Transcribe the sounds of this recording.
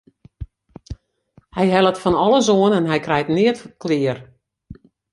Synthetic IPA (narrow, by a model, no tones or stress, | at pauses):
hɛjɦɛlˠətfɔnɔlˠəzoənɛnɦɛjkrɛjtnɪətəklɪər